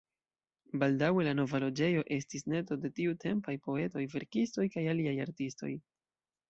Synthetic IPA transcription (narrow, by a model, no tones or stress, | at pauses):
baldawe̞lano̞valo̞d͡ʒe̞jo̞ʔe̞stisne̞to̞de̞tiutʰe̞mpajpo̞e̞to̞jve̞ɾkisto̞jkajaliajaɾtisto̞̰j